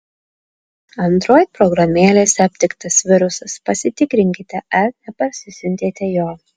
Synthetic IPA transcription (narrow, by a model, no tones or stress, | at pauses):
ɐnt̪ɾoːjpɾɔɡɾɐmʲeːlʲeːsʲɐpʲt̪ʲɪkt̪ɐsʋʲɪɾʊsɐspɐsʲɪt̪ʲɪkɾʲɪŋʲkʲɪt̪ʲɛɐɾnʲɛpɐɾʲsʲɪsʲʊnʲt̪ʲeːt̪ʲɛjoː